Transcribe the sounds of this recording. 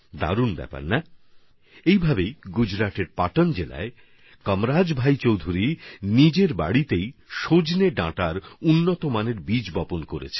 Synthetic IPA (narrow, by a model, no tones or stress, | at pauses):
d̪a̰ɾunbɛ̰pa̰ɾna | ejbʱabejɡud͡ʑɾaʈeɾpaʈond͡ʑela̰e | kɔmɾad͡ʑbʱajt͡ɕowd̪ʱuɾinid͡ʑeɾba̰ɽit̪ejʃod͡ʑneɖãʈaɾunːot̪omaneɾbid͡ʑbɔponkoɾḛt͡ɕʰe